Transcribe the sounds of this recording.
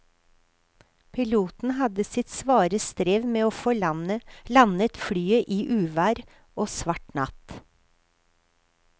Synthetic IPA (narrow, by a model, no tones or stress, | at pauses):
pʰɪluːt̪n̩hɑd̪əsɪt̪sʋɑːɾəst̪ɾeːʋmeːoːfɔ | lɑnət̪fɽyːəʔiːʔʉːʋæːɾ | ʔoːsʋɑʈnɑ̰t̪